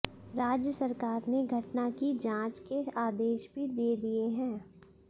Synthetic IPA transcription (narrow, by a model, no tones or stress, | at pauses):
ɾaːd͡ʒjəsɐɾkaːɾneɡʱɐʈnakid͡ʒãːt͡ʃkeaːd̪eːʃbʱid̪eːd̪ieɦɛ̃ː